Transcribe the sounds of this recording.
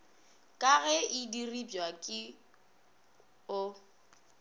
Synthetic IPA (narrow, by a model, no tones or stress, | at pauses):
kʼaɣɛidiribjwakʼɪ | ʊ